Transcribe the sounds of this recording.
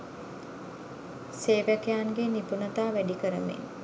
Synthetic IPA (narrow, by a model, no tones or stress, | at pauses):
seːʋækejanɡenipunət̪aːʋæɖikəɾəmḛn